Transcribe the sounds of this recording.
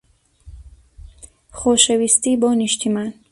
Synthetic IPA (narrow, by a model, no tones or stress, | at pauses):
χoːʃɛwist̪iːbɔːniʃt̪ʰiman